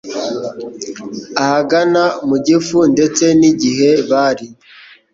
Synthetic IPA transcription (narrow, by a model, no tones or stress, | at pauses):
ahaɡanamuɟifunde̞t͡se̞niɟiɦe̞βaːɾi